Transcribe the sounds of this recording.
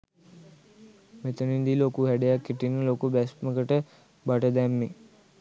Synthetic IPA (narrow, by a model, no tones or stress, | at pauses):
met̪ənind̪ilokuhæɖejakːiʈinːəlokubæsməkəʈə | baʈəd̪ɛmːe